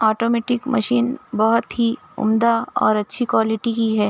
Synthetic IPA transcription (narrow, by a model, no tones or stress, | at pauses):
ɔːʈoːmeːʈɪkmɐ̰ʃiːnbɐɦʊt̪ɦi | ʊ̰md̪aɔ̰ːɾɐtːʃʰikwaːlɪʈikiɦɛː